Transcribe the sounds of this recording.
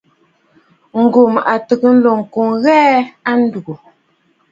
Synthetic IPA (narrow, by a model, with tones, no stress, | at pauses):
ŋ̩˨ɡu˨mʔa˨tə˨kə˨n̩˦lɔ˨ŋ̩˨ku˨ŋɣɛː˦a˦n̩˦du˨u˨